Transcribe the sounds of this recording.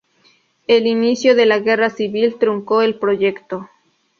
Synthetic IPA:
elinisjoðelaɣerasiβilt̪ɾuŋkoelpɾoʝekt̪o

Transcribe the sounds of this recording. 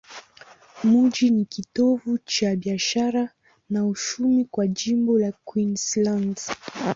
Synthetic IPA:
muʄinikitɔvut͡ʃaɓiaʃaɾa | naut͡ʃumikwaʄimbɔlakwinsland

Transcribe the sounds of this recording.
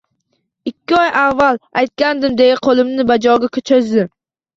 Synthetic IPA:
ɪkʲːɪɒjʔavːalajt̪̚kʲand̪ɪmd̪ejaqʰolˠɪmnɪbad͡ʒɒɡʲakʲʰɵt͡ʃʰozd̪ɪm

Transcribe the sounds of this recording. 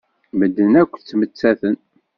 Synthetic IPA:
məd̪ːənækʷːθt͡sːmət͡sːæθən

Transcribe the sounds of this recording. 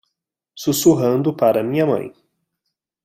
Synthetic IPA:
susuɦɐ̃nd̪ʊpaɾɐmĩɲɐmɐ̰̃j̃

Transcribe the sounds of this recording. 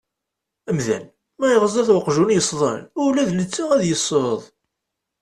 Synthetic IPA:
əmðæ̰n | mæjəʁəzˤæθwəqʒunjəsˤðˤə̰nʊlæðlət͡sːəʁæðjəsˤːəɾəðˤ

